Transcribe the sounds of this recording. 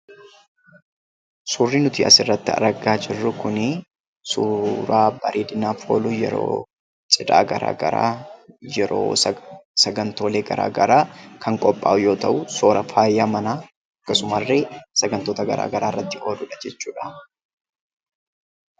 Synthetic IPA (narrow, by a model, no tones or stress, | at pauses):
suːrːiːnʊt̪iːʔɐsɪrːɐt̪ːɪɐ̰ɾɐɡaːd͡ʒɪrːʊkʊnɪ | suːɾaːbɐɾʔeːd̪ɪnaːfho̰ːluːjɛ̰ɾo̰ː | t͡ʃʼɪᶑ̪a̰ːɡɐɾa̰ːɡɐɾa̰ːjɛɾo̰ːsɐɡɐnt̪o̞ːle̞ːɡɐɾa̰ːɡɐɾaːkʰɐŋkʼɔpʼːa̰ːʔʊjo̞ːt̪ɐʔʊso̞ːɾɐfaːjːaːmɐnaː | ɐkːɐsʊmɐrːeːsɐɡɐnt̪o̞ːt̪ɐɡɐ̰ɾa̰ːɡɐɾaːrːɐt̪ːɪʔo̞ːd̪ʊᶑɐd͡ʒɛt͡ʃːuːᶑɐ̥